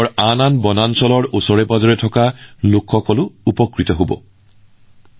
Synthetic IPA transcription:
ɔɹananbɔnansɔlɔɹosɔɹɛbazɔɹɛtʰɔkalokʰxɔkɔlʊupɔkɹitɔɦobɔ̰

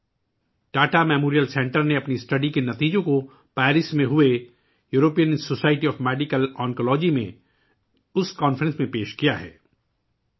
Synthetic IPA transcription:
ʈaːʈamɛːmoːɾijəlsɛ̃ːɳʈəɾneɐpnisʈɐɖikenɐt̪iːd͡ʒõko | pɛːɾɪsmẽɦʊe | juːɾoːpijənsoːsaːɪʈiɔːfmɛːɖikəlɔːŋkolɔːd͡ʒimḛ̃ | ʊskɔːnfɾə̃nsmẽpeːʃkijaɦɛ̰ː

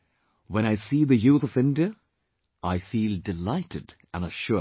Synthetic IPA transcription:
wə̃ɾ̃aɪsiðɨjuθʌvɪ̃ndiɨ | ʔaɪfilˠdɨlaɪɾɨd | ə̃nəʃʊ

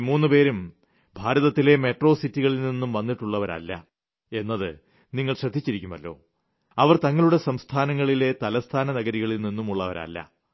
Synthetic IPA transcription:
muːnːɨpe̞ːɾum | bʱaːɾɐðɐt̪ːile̞me̞ʈro̞ːsitːiɣɐɭilninːumʋɐnːiʈːuɭːɐʋɐɾɐ̰lːɐ̰ | e̞nːɐðɨ̰ | niŋːɐɭɕrɐd̪ʱːit͡ɕːiɾikʲːumɐ̰lːo̞̰ː | ɐʋɐrt̪ɐŋːɐɭuɽe̞sɐmst̪ʰaːnɐŋːɐɭile̞t̪ɐlɐst̪ʰaːnɐnɐɡɐɾiɣɐɭilninːumuɭːɐʋɐ̰ɾɐ̰lːɐ̰

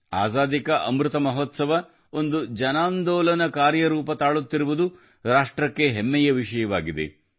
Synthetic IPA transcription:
a̰ːzaːd̪ikɐʔɐmɾɪt̪ɐmɐɦot̪sɐʋɐ | o̞nd̪ud͡ʒɐnaːnd̪ɔːlɐnɐkaːɾjɐɾuːpɐt̪aːɭut̪ːiɾuʋud̪u | ɾaːʂʈɾɐkːe̞ɦemːɛjɐʋiʂɐjɐʋaːɡid̪e̞̰

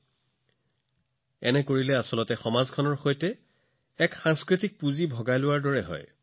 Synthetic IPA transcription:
ɛnɛkoɹilɛasɔlɔtɛxɔmazkʰɔnɔɹxojtɛ | ɛkxaŋskɹitik̚puzibʱɔɡajlʊwaɹdɔɹɛɦɔ̰j

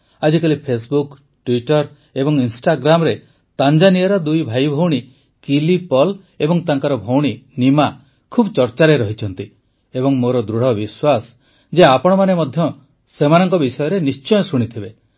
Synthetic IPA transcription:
ad͡ʒikalipʰes̬buk | ʈwiʈɔɾ | ebɔŋinsʈaɡɾamɔɾe | t̪and͡ʒanijɔɾɔd̪ujbʱajbʱowɽ̃i | kilipɔl | ebɔŋt̪aŋkaɾɔbʱowɽ̃inima | kʰubt͡ʃɔɾt͡ʃaɾeɾɔɦit͡ʃʰɔnt̪i | ebɔŋmoɾɔd̪ɾuɽ̤ɔbiswas | d͡ʒeapɔɽ̃ɔmanemɔd̪ʱjɔ | semanɔŋkɔbisɔjɔɾenist͡ʃɔjɔsuɽ̃it̪ʰibe

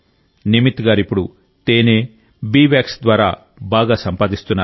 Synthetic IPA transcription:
nimit̪ɡaːɾipːuɽu | t̪eːneː | biːʋaːksd̪ʋaːɾa̰ː | baːɡaːsɐmpaːd̪ist̪unːaː

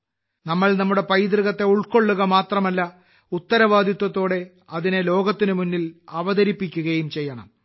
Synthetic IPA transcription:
nɐmːɐɭnɐmːuɽe̞pɐjd̪rɨɣɐt̪ːe̞uɭko̞ɭːuɣɐmaːt̪rɐmɐlːɐ | ut̪ːɐɾɐʋaːd̪ʱjɐt̪wɐt̪ːo̞ːɽe̞ | ɐðine̞lo̞ːɡɐt̪ːinɨmunːilɐʋɐðɐɾipːikʲːuɣɐjumt͡ɕe̞jːɐɳɐ̰m

